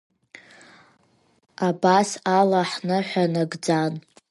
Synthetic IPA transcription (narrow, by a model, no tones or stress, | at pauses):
abasalaħnɨħʷanaɡd͡zan